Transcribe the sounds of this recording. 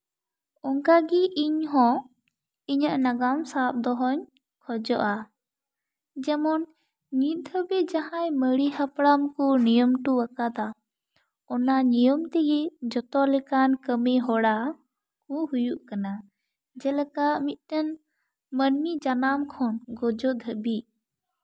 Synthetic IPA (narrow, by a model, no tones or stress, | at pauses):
ɔŋkaɡiʔiɲɦɔ̃ | iɲaʔnaɡamsap̚d̪ɔɦɔɲ | kʰɔd͡ʒɔʔa | d͡ʒɛmɔn | ɲid̪ʱɔbɛd͡ʒahãjməɽihapɽamkɔnijɔmʈuwakad̪a | ɔnaɲijɔmt̪ɛɡɛd͡ʒɔt̪ɔlɛkankəmiɦɔɽa | kũhujuʔkana | d͡ʒɛlɛkaʔmit̪̚ˀt̪ɛn | mənmid͡ʒanamkʰɔnɡɔd͡ʒɔd̪ʱəbi